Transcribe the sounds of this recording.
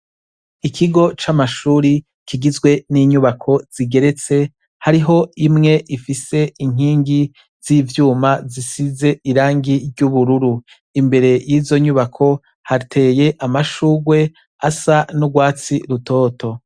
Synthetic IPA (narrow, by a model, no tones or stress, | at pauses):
ikʰiɡo̞t͡ʃamaʃuːɾi | kiɡizɡwe̞niːɲuβakʰo̞z̥iɡe̞ɾe̞t͡se̞ | haɾiɦo̞imŋe̞ʔifise̞iŋ̥iːŋɡi | z̥ivjuːmazisize̞iɾaːŋɡiɾɟuβuɾuɾu | imbe̞ɾe̞jiːzo̞ɲuβakʰo̞ | hatʰe̞ːje̞ʔamaʃuːɡwe̞ | asanuɡwaːt͡siɾuto̞ːtʰo̞